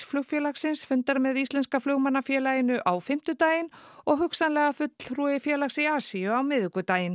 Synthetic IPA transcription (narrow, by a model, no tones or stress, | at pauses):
flœɣfjɛlaxsɪnsfʏnt̪aɾmɛðist̪lɛnskaflœɣmanːafjɛːlajɪnʏʔawfɪm̥t̪ʏt̪aːjɪnɔɣɦʏksanlɛːɣafʏt̪l̥ɾujɪfjɛːlaxsiaːsiʏawmɪðʏkʏt̪aːjɪn